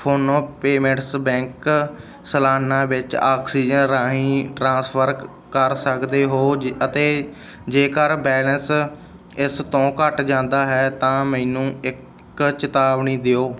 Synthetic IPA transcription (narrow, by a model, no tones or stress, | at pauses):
pʰoːnõːpeːmẽɳʈsbɛ̃ːŋk | səlaːnãːʋɪt͡ʃaːksiːd͡ʒənɾãːɦĩːʈɾãːspʰəɾ | kəɾsəkd̪eːɦoːət̪eː | d͡ʒeːkəɾbɛːləns | ɪst̪õːkəʈd͡ʒãːnd̪aːɦɛːt̪ãːmɛ̃ːnũːɪk | t͡ʃɪt̪aːʋnĩːd̪eoː